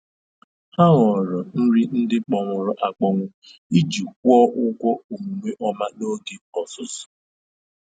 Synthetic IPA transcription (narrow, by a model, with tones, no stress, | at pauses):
ha˦ŋɔ˨ɾɔ˨n̩˦ɾi˦n̩˦dɪ˦k͡pɔ˨ŋʷʊ˨ɾʊ˦ʔa˨k͡pɔ˨ŋʷʊ˦ | i˦d͡ʒi˨k̚ʷɔ˦ʔʊ˦kʷɔ˦u˨mu˨ŋʷe˦ʔɔ˦ma˦no˦ɡe˨ɔ˨sʊ˨sʊ̥˨